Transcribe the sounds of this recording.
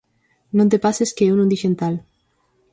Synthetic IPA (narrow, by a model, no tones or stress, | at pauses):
nõnt̪̬epaseskeewnund̪iʃent̪al